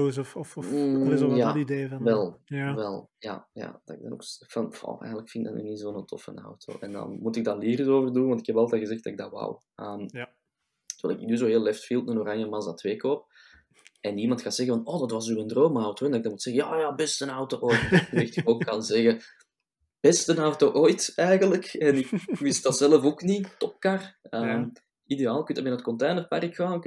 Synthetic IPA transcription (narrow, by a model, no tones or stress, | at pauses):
ɔ | jaideːvʋɛlˠʋɛlˠja̰ːja̰dɑɪɡ̚dɑno̰kfɑnfɔ̰ʔɛ̰jɣənləkfɪnda̰tny̰nizoːnəntʰɔ̰fə̰na̰wtʰo̰ːʔɛ̰ndɑ̰nmutɪɡ̚daːliːrzoːvərdunwɑntɪkhɛbɑlˠtɛːɣəzɛxt̚dɑɪɡ̚dawa̰w | əːm | təʋɛlˠdɪkɪknyzoːɦeːlɛftfilˠtnənoɾanjəmɑzatweːkoːp̚ | ɛnimɑntxaːzɛɣəvɑnoːdɑtʋɑzyəndroːmawtoɛndɑɪɡ̚dɑmutsɛɣəjaːjaːbɛstənawtoːʔoːjtektɪkokːɑnzɛɣə | b̥ɛstənawtoʔoːjtɛːɣənləkɛnɪkmɪst̚d̥ɑtzɛləfoːknitɔp̚karəːm | ideaːlˠɪkyntdɑmɪnaətkɔnteːnərpa̰rɪkxaːnk